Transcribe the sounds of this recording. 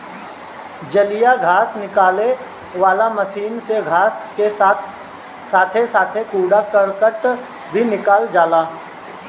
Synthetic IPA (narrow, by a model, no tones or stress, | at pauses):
d͡ʒəlijaɡʱaːsnɪkaːle | ʋaːlaməʃiːnseɡʱaːskesaːt̪ʰ | saːt̪ʰesaːt̪ʰekuːɽakəɾkəʈ | bʱinɪkaːld͡ʒaːlaː